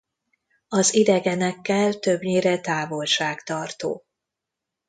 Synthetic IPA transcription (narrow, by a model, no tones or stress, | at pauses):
ɒzid̪ɛɡɛnɛkːɛlt̪ø̞bɲeːɾɛt̪aːvo̞lʃaːɡt̪ɒrt̪o̰ː